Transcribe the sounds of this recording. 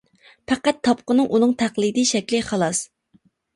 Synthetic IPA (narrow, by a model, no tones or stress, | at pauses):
pʰæqæt̪ʰːɑp̚qənɨŋʔunɨŋt̪ʰæχlˠɨd̪iʃɛkʲlɪχɑlˠɑs